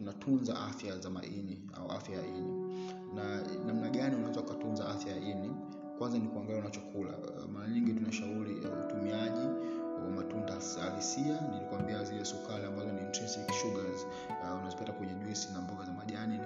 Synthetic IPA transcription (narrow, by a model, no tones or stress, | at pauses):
tunatʰunza̰ʔa̰fjazama̰ʔḭni | a̰ua̰fjajaini | nanamnaɠaniunaɛzakatunzaafjajaini | kwanzanikuaŋɡɛlaunat͡ʃɔkʰula̰ | maɾaɲiŋɡitunaʃauɾija̰utumiaʄiwamatundasalisianilikuwambiaziliasɔkaɾiambazɔnintɾɛstikʃuɡaz | unazɔpatakuɲɛʄwisinambɔɡazamaʄani